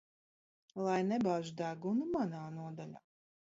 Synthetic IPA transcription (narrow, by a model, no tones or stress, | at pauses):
lˠajnɛbaːʒud̪æɡunumanaːnuɔd̪alʲa̰ː